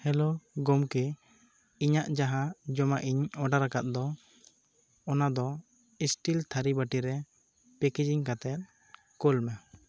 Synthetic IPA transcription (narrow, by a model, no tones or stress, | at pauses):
hɛlɔɡɔmkɛ | iɲaʔd͡ʒaɦãd͡ʒɔmaʔiɲɔɖaɾakat̪̚d̪ɔ | ɔnad̪ɔ | isʈilt̪ʰaɾibaʈiɾɛ | pɛked͡ʒiɲkat̪ɛt̪̚ | kɔlmɛ